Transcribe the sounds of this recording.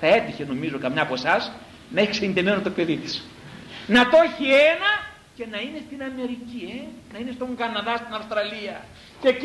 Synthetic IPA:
θɐe̞t̪içeno̞mizo̞kɐmɲɐːpoesɐs | nɐeçiksenid̪emenost̪ope̞ðit̪i̥s | nɐt̪o̞çienɐ | ce̞nɐine̞st̪inɐme̞ɾicienɐinest̪o̞ŋɡɐnɐðɐst̪inɐfst̪ɾɐliɐ | cec

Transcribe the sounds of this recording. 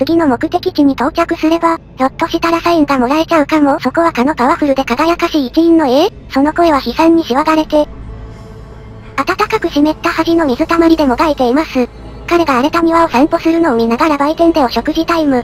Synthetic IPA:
t͡sɨɡʲino̞mo̞kɯ̟t̪e̞kʲikʲiɲ̟it̪o̞ːt͡ɕakɯ̟sɨɾe̞ba | ɾo̞t̪ːo̞ɕit̪aɾasainɡamo̞ɾaɾe̞t͡ɕaɯ̟kamo̞so̞ko̞βakano̞kaβ̞aɸɯ̟ɾɯ̟d̪e̞kaɡajakaɕiːt͡ɕiɲĩnːo̞e̞ː | so̞no̞ko̞e̞βaçisãɲ̟ːiɕiβaɡaɾe̞t̪e̞ | at̪at̪akakɯ̟ɕime̞t̪ːahaʑino̞mʲizɨt̪amaɾʲid̪e̞mo̞ɡ̪aet̪e̞imasɨ | kaɾe̞ɡaːɾe̞t̪amʲiβao̞sãmpo̞sɨɾɯ̟no̞ːmʲinaɡaɾabait̪ẽ̞nd̪e̞o̞ɕo̞kɯ̟ʑit̪aimɯ̟

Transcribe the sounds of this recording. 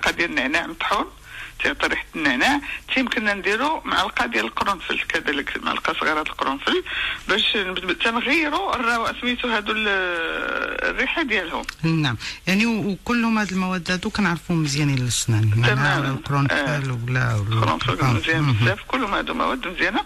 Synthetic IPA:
lqɑd̪jælnːəʕnaʕmt̪ˤħun | t̪ijʕt̪ˤɑɾˤiħt̪nːəʕnaʕt̪ʰimkənːænd̪iɾumaʕalqɑd̪jæləlqɾunfə̰lkæd̪æləkmaʕa̰lqɑsˤɣɑɾˤɑt̪əlqɾunfəlbæʃnət̪ːænɣəjːɾurˤːɑwʔsmit̪uɦæd̪ul | rːiħad̪jælhʊmnːaʕmjaʕnikʊlːhʊmhæd̪əlmæwæd̪ːhæd̪ukænəʕɾˤfuməzjænillːəʃnænmanmæælqɾunəlwlæ̰wqɾṵnfəlmzjænsæfkʊlːhʊmhæd̪umæ̰wæd̪ːmzjæna

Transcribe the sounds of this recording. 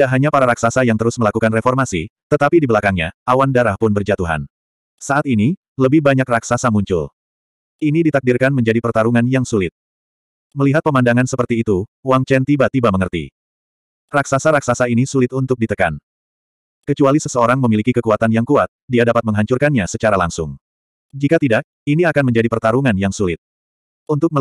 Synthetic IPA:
idaʔɦaɲapaɾaɾaksasajaŋt̪əɾʊsməlakukanrefɔrmasḭt̪ət̪apidibəlakaŋɲa̰awandaɾahpʊnbərd͡ʒat̪uɦa̰n | saʔat̪ini | ləbɪhbaɲakraksasamuɲt͡ʃʊ̰l | inidit̪ak̚dirkanməɲd͡ʒadipərt̪aɾuŋanjaŋsulɪt̪̚ | məliɦat̪̚pəmandaŋansəpərt̪iːt̪uwaŋt͡ʃɛnt̪ibat̪ibaməŋərt̪ḭ | raksasaɾaksasainisulɪt̪unt̪ʊk̚dit̪əka̰n | kət͡ʃualisəsəoɾaŋməmilikikəkuat̪anjaŋkuat̪̚diadapat̪̚məŋɦaɲt͡ʃurkanɲasət͡ʃaɾalaŋsʊŋ | d͡ʒikat̪idaʔ̚iniakanməɲd͡ʒadipərt̪aɾuŋanjaŋsulɪt̪̚ | ʔunt̪ʊk̚mə

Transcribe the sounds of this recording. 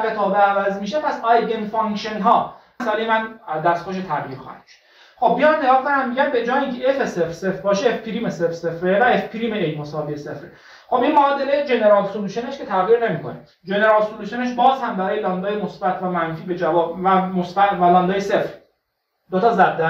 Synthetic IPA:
ɡet̪ʰɒːbeævæzmiːʃepʰæsɒjd̪enfɒŋkʃenɦɒː | æsælejemænd̪æɾst̪xoʃ̬et̪ʰæʁjiːɾxɒ̰ːhæ̰d̪̥m̥ʃo̥d̪ | xo̞b̚ːijɑmneɡɒːkʰonæmːiɟʲæmbed͡ʒɒːjiŋcʰeʔefesefɾse̞fɾbɒːʃeːfpʰiɾiːmesefse̞fɾevæefpʰiɾiːmeejmosɒːviːesefɾe | xobinmɒːd̪elejd͡ʒe̞ne̞ɾɒːlsoluːʃeneʃkʰe̞t̪ʰæɣiːɾne̞miːkʰo̰ne | d͡ʒe̞neɾɒːlsoluːʃoneʃ̬bɒːzhæmbæɾɒːjelɒːnd̪ɒːjemosbæt̪ʰvæmænfiːbe̞d͡ʒævɒːbvæmosbæt̪vælɒnd̪ɒːjese̞fɾ | d̪ot̪ʰɒːzæd̪ːæ

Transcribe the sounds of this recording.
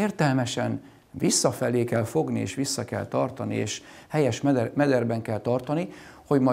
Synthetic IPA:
eːrt̪ɛlmɛʃɛn | visːɒfɛleːkɛlfo̞ɡniḛːʃʋisːɒkɛ̰lt̪ɒrt̪ɒnḭḛːʃ | hɛjɛʃmɛd̪ɛrbɛŋkɛlt̪ɒrt̪ɒniho̞ɟmɒ

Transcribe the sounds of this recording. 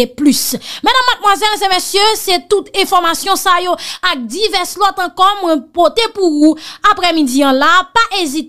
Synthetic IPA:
eplysmɛd̪ãmːad̪̚mwazɛlzẽmesjøset̪ut̪ɛ̃fɔʁmasjɔ̃sajoak̚d̪ivɛʁslɔt̪ɑ̃kɔmwɛ̃pot̪epuuapʁɛmĩd͡ziɐ̃lapaʔezit̪

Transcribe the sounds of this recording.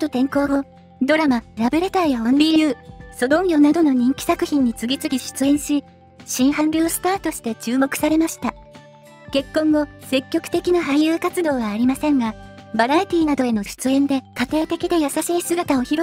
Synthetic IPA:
t̪o̞t̪ẽ̞ŋko̞ːɡo̞ | d̪o̞ɾamaɾabɯ̟ɾe̞t̪aːjaõnɾʲijjɯ̟ːso̞d̪õ̞ŋ̃jʲo̞nad̪o̞no̞ɲ̟ĩŋkʲi̥sakɯ̟çĩɲ̟ːit͡sɨɡʲit͡sɨɡʲiɕi̥t͡sɨẽ̞ɰ̃ɕi | ɕĩɰ̃hãmbʲjo̞ːsɨ̥t̪aːt̪o̞ɕi̥t̪e̞t͡ɕɨːmo̞kɯ̟̥saɾe̞maɕi̥t̪a | ke̞kːõ̞ŋɡo̞se̞kʲːo̞kɯ̟̥t̪e̞kʲinaɦaijjɯːkat͡sɨd̪o̞ːβaːɾʲimasẽ̞ŋɡabaɾait̪ʲiːnad̪o̞e̞no̞ɕi̥t͡sɨẽ̞nd̪e̞kat̪e̞ːt̪e̞kʲid̪e̞jasaɕiːsɨɡat̪ao̞çiɾo

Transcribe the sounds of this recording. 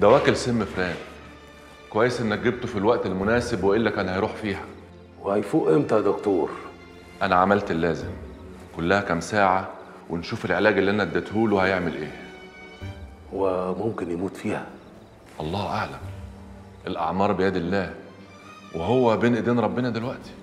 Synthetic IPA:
d̪æwæːkelsemːefɾæːn | kowæjːesʔenːæk̚ɡeb̚t̪ofilwæʔt̪elmʊnæːsebweʔelːækæːnhæjɾuːħfiːhæ | wehæjfuːʔemt̪æd̪okt̪oːɾ | ʔænæʕamælt̪elːæːzem | kolːæhækæmsaːʕa | wenʃuːfelʕelæːɡelːiːʔænæd̪ːæt̪huːlwehæjeʕmelʔeː | howæmomkenjemuːt̪fiːhæ | ʔɑlˤːɑːhʔaʕlæm | ʔelʔɑ̰ʕmɑːɾˤbejæːd̪elːæː | weɦowːæbeːnʔed̪eːnɾˤɑbːenɑd̪elwæʔt̪i̥

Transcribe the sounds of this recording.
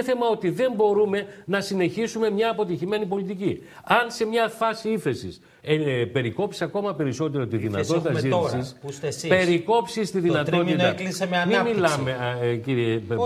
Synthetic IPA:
θemɐo̞t̪iðe̞mbo̞ɾume̞nɐsine̞çisume̞mɲɐːpo̞t̪içime̞nipo̞lit̪ici | ɐnse̞mɲɐfɐsiiθe̞sḭs | epe̞ɾiko̞psi̥sɐko̞mɐpe̞ɾiso̞t̪e̞ɾot̪iðinɐt̪ot̪it̪ɐziisissspe̞ɾiko̞psist̪iðinɐt̪o̞it̪klisemeɐmimillɐmeciɾie

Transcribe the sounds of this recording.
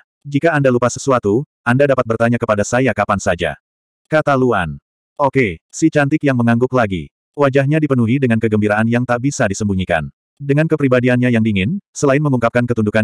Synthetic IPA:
d͡ʒikaːndalupasəsuat̪uʔandadapat̪̚bərt̪aɲakəpadasajakapansad͡ʒa̰ | kat̪alua̰n | ʔokesit͡ʃant̪ɪkjaŋməŋaŋɡʊklaɡḭ | wad͡ʒaɦɲadipənuɦidəŋankəɡəmbiɾaʔanjaŋt̪aʔbisadisəmbuɲika̰n | dəŋankəpɾibadianɲajaŋdiŋɪnsəlaɪnməŋuŋkap̚kankət̪undukan

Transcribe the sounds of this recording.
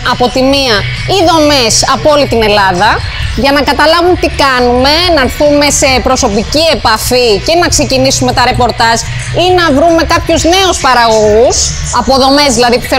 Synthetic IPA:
ɐpo̞t̪imiɐ | iðo̞me̞sɐpo̞lit̪ine̞lɐðɐ | ʝɐnɐkɐt̪ɐlɐvumet̪ikɐnume̞nɐɾθume̞se̞pɾo̞so̞picie̞pɐficenɐkse̞cinisume̞t̪ɐɾe̞po̞ɾt̪ɐʒ | inɐvɾume̞kɐpçuzne̞uspɐɾɐɣo̞ɣus | ɐpo̞ðo̞me̞zðilɐðipu̥θe

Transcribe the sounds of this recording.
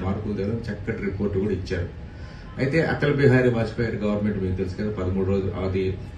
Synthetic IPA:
maːɾkuld̪ɐɡlɐnt͡ʃɛkːɐʈɾipoːɾʈːɡuːɽɐit͡ʃːaːɾu | ɐjt̪e̞ːʔɐ̰t̪ɐlbiɦaːɾiʋaːt͡ʃi̥pɐjɾiɡɐʋɐɾnmeɳʈmiːkut̪elsu̥kɐld̪ɐpɐd̪ɐmuːɽuɾoːd͡ʒuʔɐ̰d̪i

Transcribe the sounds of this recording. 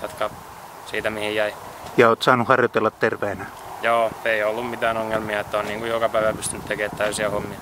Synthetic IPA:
jot̪kɑ | siːt̪æmihijjæi | jɑoːt̪sɑːnuhɑrjot̪elːɑt̪t̪erʋeːnæ | joːeiolːummit̪æːnoŋːelmiɑet̪ːonniːŋkujokɑpæiʋæpyst̪ynyt̪t̪ekeːt̪t̪æysiɑhomːiɑ

